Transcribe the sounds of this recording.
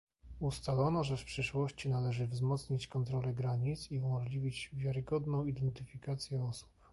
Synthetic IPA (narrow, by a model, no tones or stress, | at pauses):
ust̪alɔnɔʐɛfpʂɘʂwɔɕt͡ɕinalɛʐɘvzmɔt̪sɲit͡ɕkɔnt̪ɾɔlɛɡɾaɲit̪siumɔʐlʲivʲid͡ʑvʲjaɾɘɡɔd̪nɔ̃w̃id̪ɛnt̪ɘfʲikat̪sʲjɛɔsu̥p